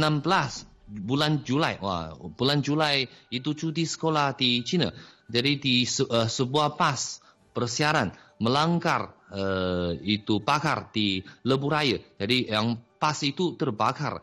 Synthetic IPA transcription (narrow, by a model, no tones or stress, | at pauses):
ənambəlas | buland͡ʒulajwa̰buland͡ʒulajit̪ut͡ʃut̪isə̥kolahdit͡ʃina̰d͡ʒadidisəsəbuahpas | pərsiaɾan | məlaŋɡarəit̪upakardiləbuɾajəd͡ʒadijaŋpasit̪ut̪ərbaka̰r